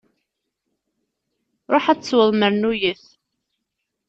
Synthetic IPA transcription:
ɾˤoħæt͡st͡sːwəðˤməɾnujəθ

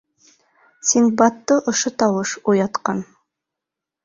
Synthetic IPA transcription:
sʲiŋɡ̚bɑt̪ːɤʔoʃot̪ɑwəʃujɑt̪qɑn

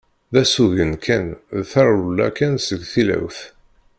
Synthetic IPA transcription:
ðæsuʝənkʰænðθɑɾˤulːæ̰kænsəɡθilæ̰wθ

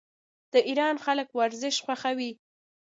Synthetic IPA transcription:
d̪̥əʔiɾɑnxaləkwaɾzɪʃxwaxawi

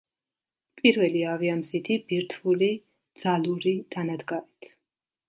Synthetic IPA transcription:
pʼiɾvɛliaviamzit̪ʰibiɾt̪ʰvuli | d̪z̥aluɾid̪̥anad̪ɡaɾit̪ʰ

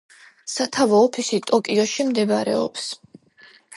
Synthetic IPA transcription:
sat̪ʰavɔːpʰisit̪ʼɔkʼiɔʃimd̪ɛbaɾɛ̰ɔ̰ps

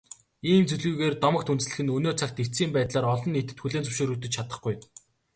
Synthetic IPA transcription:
iːmt͡sɵɮɣuːɣeːrt̪ɔmə̆k̚t̪ʰunt͡sɮɘ̆xɘ̆nɵnoːt͡sʰak̚t̪it͡siːmpæːt̪ɮaːɾɔɮɞ̆nːit̪ɘ̆t̪xuɮeːnt͡sʰɵwʃoːɾuːt̪ɵ̆t͡ɕt͡ɕʰat̪ə̆χɡuj

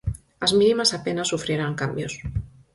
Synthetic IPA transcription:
azminimasapenasufɾieɾaŋkambjos

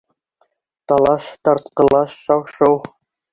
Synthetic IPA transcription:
t̪ɑlˠɑʃt̪ɑɾt̪qɤ̆lˠɑʃːɑwʃɤw

